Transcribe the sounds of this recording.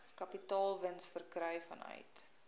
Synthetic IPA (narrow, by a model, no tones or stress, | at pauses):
kɐpitɑːlˠvənsfərkrœɥfɐ̰nœ̰ɥt